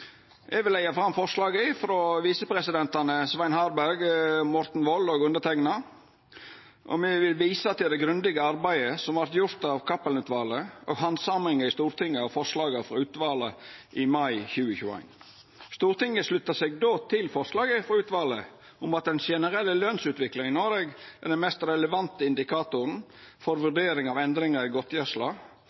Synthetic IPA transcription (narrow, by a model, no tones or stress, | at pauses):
ʔɛɡʋɪlːæɪɑfɾɑmfɔɾʂlɑːɡəfɔɾɔʋiːsəpʰɾɛsɪd̪ɛnt̪ɑnəsʋæɪnhɑːɾbæɾɡmɔɾt̪n̩ʋɔlːoːɡʉnd̪ət̪ʰɛŋnɑ | ʔɔ̰mɛʋɪlʋiːsət̪ɪld̪ɛɡɾʉnd̪ɪɡəɑɾbæɪəsɔmʋɑɾt̪jʊɾt̪ɑʋkʰɑpːəlnʉːt̪ʋɑːləʔoːɡɦɑnsɑmɾɪŋəɾɪst̪uːɾt̪ɪŋːəɑʋfɔɾʂlɑːɡəfɾɔʉːt̪ʋɑːləʔɪmɑɪçʉːəçʉːəæ̰ɪn | st̪uːɾt̪ɪŋːəslʉt̪ːəseːɡ̚d̪oːt̪ʰɪlfɔɾʂlɑːɡəfɾɔʉːt̪ʋɑːlə | ʊmɑt̪̚d̪ɛnʃɛnəɾɛlːəløːnsʉːt̪ʋɪklɪŋɪnoːɾeːɡæɖɛnmɛst̪ɾɛləʋɑnt̪əɪnd̪ɪkʰɑːt̪ʊɾn̩fɔɾʋʉɖeːɾɪŋɑʋɛnd̪ɾɪŋəɾɪɡɔt̪jɛʂlɑː